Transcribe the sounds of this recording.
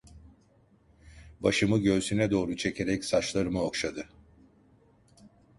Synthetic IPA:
baʃɯmɯɟø̞ːsynɛd̪o̞ːɾut͡ʃʰe̞cʰe̞ɾɛcsat͡ʃlˠaɾɯmɯokʃad̪ɯ

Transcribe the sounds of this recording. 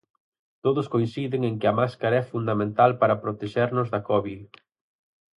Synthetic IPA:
t̪oðʊskoinsiðɪŋeŋkɪɐmaskaɾɐɛfund̪amẽnt̪alpaɾɐpɾot̪eʃeɾnʊzðɐkɔβið

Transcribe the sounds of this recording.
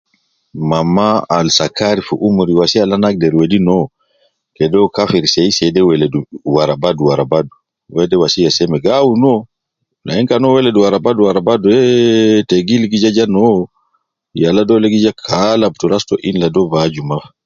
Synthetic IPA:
mamːaalsakʰaɾifuʔumuɾiwasialanak̚dɛɾwedinɔ | kɛdɔkafɛɾsɛjsɛdɛwɛlɛduwaɾabaduwaɾabadu | wɛdɛwasijasɛmɛɡawunɔ | naɛŋkanɔwɛlɛduwaɾabaduwaɾabaduɛteɡilɡid͡ʒad͡ʒanɔ | jalːadɔleɡid͡ʒakʰalab̚tuɾastɔʔinladɔbad͡ʒumaf

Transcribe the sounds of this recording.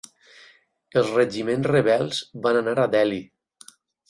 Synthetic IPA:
elˠzreʒimensreβɛlˠzβananaɾadɛli

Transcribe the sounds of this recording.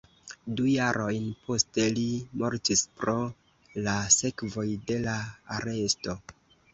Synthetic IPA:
dujaɾʔo̞jnpʰo̞ste̞limoɾtispɾo̞ | lase̞kvo̞jde̞laaɾe̞sto̞

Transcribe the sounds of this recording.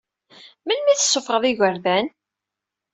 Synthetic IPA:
məlmiθəsːʊfʁəðˤɪʝəɾvæn

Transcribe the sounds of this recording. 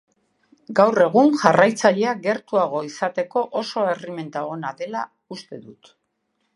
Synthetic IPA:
ɡawre̞ɣ̞uŋʝarajt͡saʎe̞aɡe̞ɾt̪uaɣ̞o̞isat̪e̞ko̞ʔoso̞e̞rime̞nt̪aonaðe̞la̰ | ust̪e̞ðut̪

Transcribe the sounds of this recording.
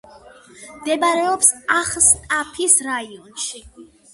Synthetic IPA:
md̪ɛbaɾɛɔpsaχst̪ʼapʰisɾaiɔnʃi

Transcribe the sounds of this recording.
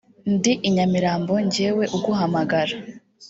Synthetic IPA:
ndiʔiɲamiɾaːmbo̞ɲɟeːwe̞ʔuɡuɦamaɡaɾa

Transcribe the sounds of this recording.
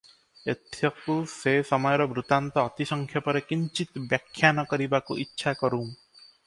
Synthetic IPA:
et̪ʰjɔkusesɔmɔjɔɾɔbɾut̪ant̪ɔːt̪isɔŋkʰjɔpɔɾekiɲt͡ʃit̪bjakʰːjanɔkɔɾibakuʔitːʃʰakɔɾũː

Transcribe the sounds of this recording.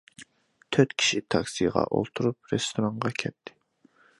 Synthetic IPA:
t̪ʰøɾt̪kʲʰi̥ʃit̪ʰɑksijʁɑ̰ʔo̰lˠt̪ʰuɾup̚ɾest̪ʰoɾɑŋʁɑkʲʰɛt̪ʰːɪ̥

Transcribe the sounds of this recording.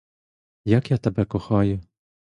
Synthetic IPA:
jɐkjat̪ɐbɛkɔxɑjʊ

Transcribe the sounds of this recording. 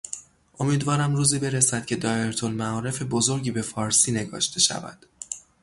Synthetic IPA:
ʔo̞miːd̪vɒːɾæmruːziːbe̞ɾesæd̪̥̚cʰe̞d̪ɒːeɾt̪ʰo̞lmæɒːɾe̞fe̞bo̞zo̞ɾɟiːbe̞fɒːɾsiːne̞ɡɒ̰ːʃt̪ʰe̞ʃæ̰væ̰d̪̥

